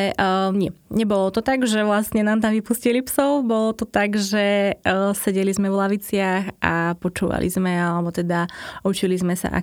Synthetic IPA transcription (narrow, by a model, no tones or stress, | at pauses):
ɛɲɪɛɲɛbɔlɔt̪ɔt̪aɡʒɛʋlasɲɛnaːmt̪aʋipuscilipsɔʊbɔlɔt̪ɔt̪aɡʒɛsɛɟɛlizmɛvlaʋit͡sɪaxapɔt͡ʃuːʋa̰lḭzmɛalɛbɔt̪ɛd̪aut͡ʃilizmɛsa̰ʔa̰